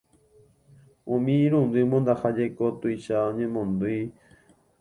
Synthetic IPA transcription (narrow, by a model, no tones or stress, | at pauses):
õmĩɾũnd̪ɨmõnd̪ahad͡ʒejkot̪ujʃaõɲẽmõnd̪u